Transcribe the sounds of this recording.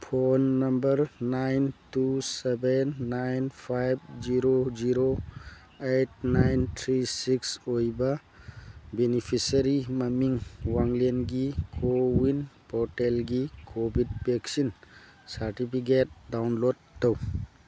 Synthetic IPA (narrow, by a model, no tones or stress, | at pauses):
pʰonːɐmbəɾnajntusebenːajnpʰajb̚ziɾoziɾo | et̚najntʰɾisiksojba | benipʰisaɾimamiŋwaŋlenɡikʰowinpɔʈelɡikʰobʱid̚beksin | saɾtipʰik̬et̚dawnlodːow